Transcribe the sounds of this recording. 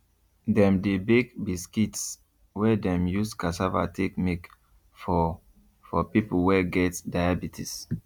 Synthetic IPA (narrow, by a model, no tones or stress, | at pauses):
dɛ̃mdebiɡbiskits | wɛdɛ̃mjuskasava̰tʰekmik | fɔ | fɔpipuwɛɡɛtdajabitʰis